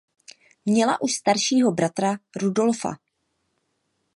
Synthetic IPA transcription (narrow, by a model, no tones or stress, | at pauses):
mɲɛla̰ʔuʃst̪aɾʃiːɦo̞bɾat̪ɾaɾudo̞lfa̰